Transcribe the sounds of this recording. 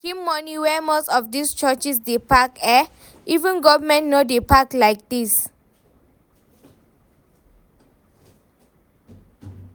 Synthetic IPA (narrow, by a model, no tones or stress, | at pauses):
kĩmːɔniwɛmostɔfdist͡ʃɔt͡ʃisdepakɛ | ʔivɛ̃nɡɔvəmɛ̃ntnodepaklajk̚dis